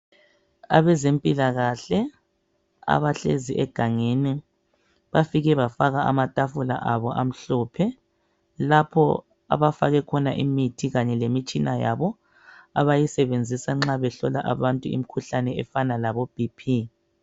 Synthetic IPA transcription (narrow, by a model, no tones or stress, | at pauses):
a̰βɛzempʼilaɣaɬɛ | a̰βaɬḛziʔɛɡ̥ʱaŋeni | βafiɣɛβafaɣaamatʼafula̰ʔaβɔʔam̩ɬɔpʰɛ | lapʰɔ̰ | a̰βafaɣɛkʰɔnaʔimitʰiɣaɲɛlemit͡ʃʼinajaβɔ | aβajisɛβend͡zʱisaŋ͡ǁaβɛɬɔla̰ʔaβantʼuḭmikʰuɬanɛɛfanalaβob̥ʱipʰi